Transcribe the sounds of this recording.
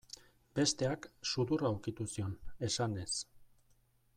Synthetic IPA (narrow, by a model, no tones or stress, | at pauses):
be̞st̪e̞aksuðuraːwkit̪usio̞ne̞sane̞s